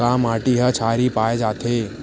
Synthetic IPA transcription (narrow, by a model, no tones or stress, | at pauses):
amaʈiɦət͡ʃʰaɾipajd͡ʒat̪ʰe